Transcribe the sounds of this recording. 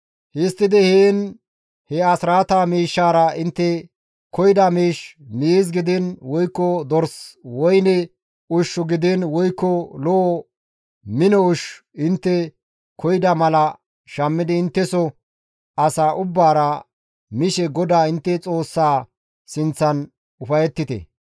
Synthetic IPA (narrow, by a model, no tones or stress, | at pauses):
hɪst̪ːɪd̪ɪheːn | hɛɐsɾaːt̪aːmiːʃːaːɾɐɪnt̪ːɛ | kɔjɪd̪ɐmiːʃmiezɡɪd̪ɛnwɔjkːɔd̪ɔɾswɔjnɛ | ʊʃːʊɡɪd̪ɛnwɔjkːɔloː | mɪnɔʊʃ | ɪnt̪ːɛ | kʰɔjɪd̪ɐmɐlɐ | ʃɐmːɪd̪ɪːnt̪ːɛsɔ | ɐsaːʔʊbːaːɾɐ | mɪʃɛɡɔd̪aːɪnt̪ːɛt͡sʼo̞ːsːaː | sɪnt͡sːɐn | ʊfɐjɛt̪ːɪt̪ɛ̰